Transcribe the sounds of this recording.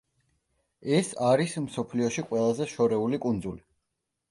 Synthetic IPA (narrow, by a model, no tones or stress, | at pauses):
ɛsaɾismsɔpʰliɔʃiqʼwɛlˠazɛʃɔɾɛulikʼund̪zuli